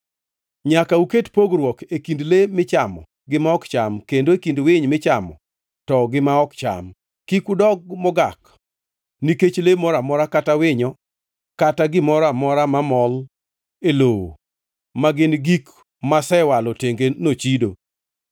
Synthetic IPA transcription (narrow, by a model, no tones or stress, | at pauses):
ɲakauketpoɡɾwɔkekindlemɪt͡ʃamɔ̰ | ɡɪmaɔkt͡ʃamkendoekindwɪɲmɪt͡ʃamɔ̰ | tɔɡɪmaɔkt͡ʃa̰m | kikudɔɡ̚mɔɡak | niket͡ʃlemɔɾamɔɾakatawɪɲɔ | kataɡɪmɔɾamɔɾamamɔl | elowo̰ | maɡɪnɡik | masɛwalɔteŋɡenot͡ʃido